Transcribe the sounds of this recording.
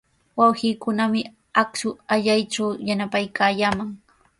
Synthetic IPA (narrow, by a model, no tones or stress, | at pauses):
wawhiːkʊnamɪ | aksʊaʎajt͡ʃawjanapajkaːjaːmaŋ